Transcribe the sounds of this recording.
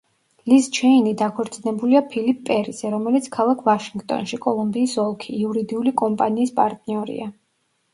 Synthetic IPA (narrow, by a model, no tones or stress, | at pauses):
list͡ʃʰɛinid̪akʰɔɾt̪sʼinɛbuliapʰilipʰːʼɛɾizɛɾɔmɛlit̪sʰkʰalˠakʰvaʃiŋɡt̪ʼɔ̰nʃikʼɔlˠumbiːsɔlˠkʰiːuɾid̪iulikʼɔmpʼaniːspʼaɾt̪ʼniɔɾḭa